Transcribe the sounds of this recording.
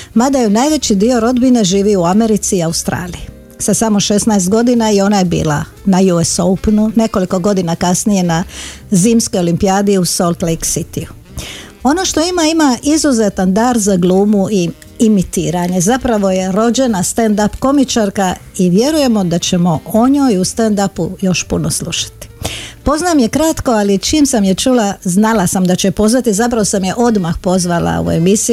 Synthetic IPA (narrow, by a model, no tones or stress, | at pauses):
mad̪ajunajʋe̞t͡ɕid̪io̞ɾo̞d̪bine̞ʒiːʋiuame̞ɾit̪siːaust̪ɾa̰ːliji | sasamo̞ʃe̞snaest̪ɡo̞d̪inaio̞naje̞bḭːlˠa̰ | najuesoupnune̞ko̞liko̞ɡo̞d̪inakasnije̞naziːmsko̞jo̞limpiaːd̪iuso̞lˠt̪lejksit̪iu | o̞no̞ʃt̪o̞imaimaʔizuze̞t̪and̪aːɾzaɡlˠuːmuiː | mit̪iːɾaɲe̞zapɾaʋo̞je̞ɾo̞d͡ʑe̞nast̪end̪apko̞mit͡ʃaɾkaiʋje̞ɾuje̞mo̞d̪at͡ɕe̞mo̞o̞ɲoːjust̪and̪apujo̞ʃpunosluʃḁt̪i̥po̞znamje̞kɾat̪ko̞alit͡ʃiːmsamjet͡ʃulaznalasamd̪at͡ɕepo̞zʋat̪izapɾaʋosamjeʔo̞d̪maxpo̞zʋala̰ṵe̞̰misi